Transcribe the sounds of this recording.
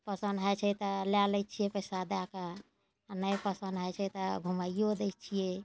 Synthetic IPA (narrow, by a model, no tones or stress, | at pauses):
pəsənd̪ɦajt͡ʃʰɛt̪ɔlalɛt͡ʃʰijɛpəjsad̪aka | nəjpəsənd̪ɦəjt͡ʃʰɛt̪ɔbʱuməijod̪ejt͡ʃʰijɛ